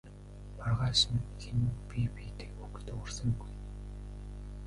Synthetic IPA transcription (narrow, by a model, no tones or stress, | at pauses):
parʁaːsə̆nxenupʲipiːt̪ĕ̥kukt̪ʊrsə̆ŋɡuj